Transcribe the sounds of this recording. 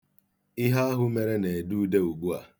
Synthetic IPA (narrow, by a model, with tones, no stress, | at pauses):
ɪ˦ɦa˦a˦ɦʊ˦me˨ɾe˦ne˨e˨du˦de˦u˨ɡ͡bu˦a̰˨